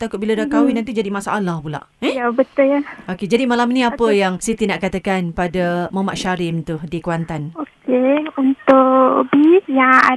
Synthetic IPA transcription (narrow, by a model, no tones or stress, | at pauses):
t̪akʊt̪̚biladakawinant̪id͡ʒadimasaʔalahpula̰ʔẽjabət̪ʊlaoked͡ʒadimalaminiapəjaŋsit̪inaʔkat̪akanpadamamaʔʃaɾɪmt̪uhdikwant̪anokeunt̪ʊʔbisjaa